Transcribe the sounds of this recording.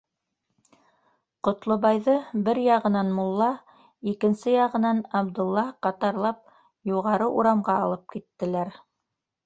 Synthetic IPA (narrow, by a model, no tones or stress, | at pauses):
qŏt̪lˠobɑjðɤbɘɾjɑʁɤ̆nɑnmulˠːɑ | ikɘ̆nsɘjɑʁɤ̆nɑnɑbd̪ŭlˠːɑqɑt̪ɑɾlˠɑp̚ | juʁɑɾɤʔuɾɑmʁɑɑlˠɤp̚kit̪ːɘ̆læɾ